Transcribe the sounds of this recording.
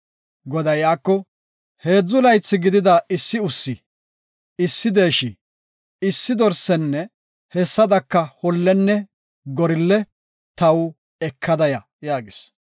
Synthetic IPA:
ɡɔd̪ɐjaːkːɔ | he̞ːd͡zːʊlɐjt͡sːɪɡɪd̪ɪd̪ɐʔɪsːɪʊsːɪ | ɪsːɪd̪e̞ːʃɪ | ɪsːɪd̪ɔɾsɛnːɛ | hɛsːɐd̪ɐkːɐhɔlːɛnːɛ | ɡɔɾɪlːɛ | t̪ɐw | ɛkʰːɐd̪ɐjɐ | jaːɡɪs

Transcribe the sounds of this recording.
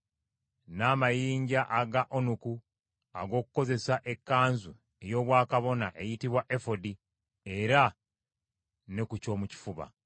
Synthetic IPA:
naːmajiːɲɟaʔaɡaʔonuku | a̰ɡo̞ːku̥ko̞ze̞saʔe̞kːaːnzu | e̞jo̞ːβwaːkaβo̞naʔe̞jitiβwaʔe̞fo̞di | e̞ɾa | ne̞kuco̞ːmuci̥fuβa̰

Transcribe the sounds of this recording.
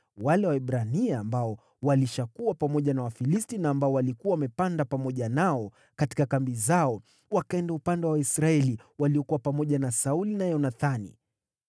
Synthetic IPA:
walɛwaɛɓɾaniaambaɔ | waliʃakuwapamɔʄanawafilistinaːmbaɔwalikuwawamɛpandapamɔʄanaɔ | kati̥kakambizaɔ | wakaɛndaupandɛwawaisɾaɛliwaliɔkuwapamɔʄanasaulinajɔnaθanḭ

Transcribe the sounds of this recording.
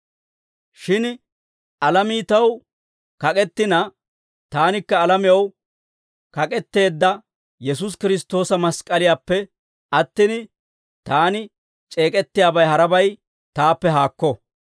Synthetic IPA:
ʃɪn | ɐlɐmiːt̪ɐw | kɐkʼɛt̪ːɪnɐ | t̪aːnɪkːɐːlɐmɪjɐw | kɐkʼɛt̪ːe̞ːd̪ːɐ | jɛs̬ʊs̬kɪɾɪst̪ːo̞ːsɐmɐskʼɐlɪjaːpːɛ | ɐt̪ːɪn | t̪aːnɪ | t͡ʃʼe̞ːkʼɛt̪ːɪjaːbɐjɦɐɾɐbɐj | t̪aːpːɛɦaːkːɔ

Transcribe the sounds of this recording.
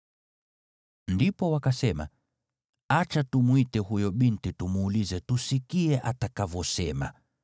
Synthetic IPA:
ndipɔwakasɛma̰ | at͡ʃatumwitɛhujɔɓintitumuːlizɛtusikiɛʔatakavɔsɛma̰

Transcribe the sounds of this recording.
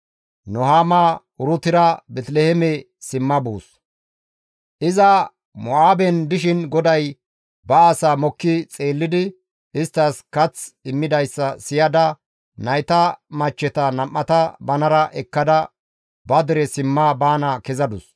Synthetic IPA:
nɔɦaːma | ʊɾʊt̪ɪɾɐbɛt̪lɛhɛmɛ | sɪmːɐbuːs | ʔɪzɐ | mɔaːbɛnd̪ɪʃɪnɡɔd̪ɐj | bɐaːsaːmɔkːɪt͡sʼeːlːɪd̪ɪ | ɪst̪ːɐskɐt͡sɪmːɪd̪ɐjsːɐsɪjɐd̪ɐ | nɐjt̪ɐmɐt͡ʃːɛt̪ɐnɐmːɐt̪ɐbɐnɐɾɐʔɛkːɐd̪ɐ | bɐd̪ɪɾɛsɪmːaːbaːnɐkɛzɐd̪ʊs

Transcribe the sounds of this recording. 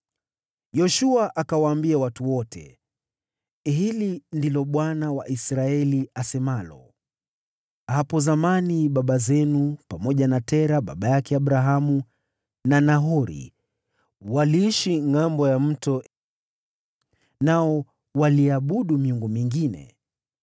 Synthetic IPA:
jɔʃuaʔakawaːmbiawatuwɔtʰɛ̰ | ɦilindilɔɓwanawa̰ʔisɾaɛliasɛmalɔ | hapɔzamaniɓaɓazɛnupamɔʄanatɛɾaɓa̰ɓajakɛaɓɾaɦamu | nanaɦɔɾḭ | waliiʃiŋambɔjam̩tɔ | naɔ | waliaɓuɗumiuŋɡumiŋɡinɛ̰

